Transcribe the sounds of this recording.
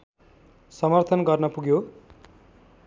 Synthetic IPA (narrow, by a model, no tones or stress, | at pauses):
sʌmʌrt̪ʰʌnɡʌrnʌpuɡjo